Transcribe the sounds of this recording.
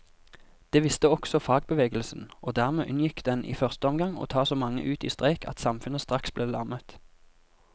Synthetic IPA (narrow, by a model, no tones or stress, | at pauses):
d̪̥eːʋɪst̪əɔksɔfɑːɡ̚bəʋeːɡəlsnoːd̪æːʁmeːʔʉnjɪkd̪ɛnʔḭːfœʁst̪əɔmɡɑŋo̰ːt̪ʰɑːsoːmɑŋːə̰ʔʉːt̪ḭːst̪ʁæɪkʰɑ̰t̪sɑmfʉnəst̪ʁɑksbleːlɑʁmət̪